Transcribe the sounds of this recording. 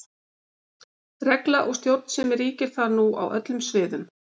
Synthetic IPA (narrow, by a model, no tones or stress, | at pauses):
rɛklaʔɔɣst̪jowt̪n̥sɛmɪɾiːcɪɾ̥θaɾnua̰wʔœ̰t̪lʏmsvɪːðʏm